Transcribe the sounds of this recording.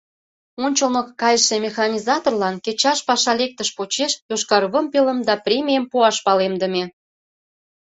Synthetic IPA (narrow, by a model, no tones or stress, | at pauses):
onʲt͡ɕəlməkːɑjəʃemʲexɑnʲizɑt̪orlɑnket͡ɕɑʃpɑʃɑlek̚t̪əʃpot͡ɕeʃjoʃkɑrβəmpeləmd̪ɑprʲemʲijəmpuɑʃpɑlemd̪ə̆mʲe